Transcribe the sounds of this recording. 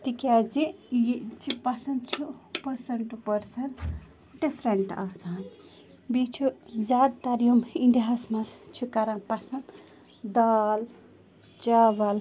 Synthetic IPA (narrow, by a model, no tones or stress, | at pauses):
t̪ikʲazijit͡ʃʰipasɐnd̪t͡ʃʰupɐɾsɐɳʈpɐɾsɐn | ɖipʰɾeɳʈaːsaːn | bit͡ʃʰuzaːd̪̚t̪ɐɾijomind̪iɦasmɐst͡ʃʰukaɾanpɐsɐn | d̪aːl | t͡ʃaʋɐl